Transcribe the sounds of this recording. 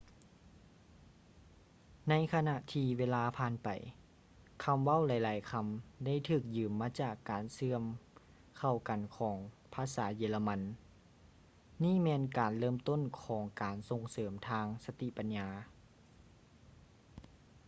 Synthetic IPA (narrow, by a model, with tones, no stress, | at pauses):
na˧˥jkʰa˧na˧ʔt̪ʰiː˧ʋeː˧laː˧pʰaː˧˥˨npa̰˨˩j | kʰa˧˥mʋa˥˨wla˨˦jlaː˨˦jkʰa˧mda˥˩˨jt̪ʰɯː˧˩k̚jɯː˨˧˩mːaː˧˥t͡ɕaː˨˩kːaː˨˩nsɯ˧əm | kʰa˨˩wka˨˩nkʰɔː˩˦ŋ | pʰaː˧˥saː˩˦jeː˧˩la˧ma˧n | iː˥˨mɛː˧nkaː˨˩nlɤː˥˨mt̪o˥˨nkʰɔː˩˦ŋkaː˨˩nso˧ŋsɤː˩˦mt̪ʰaː˧ŋsa˧t̪i˧˨pa˨nɲaː˧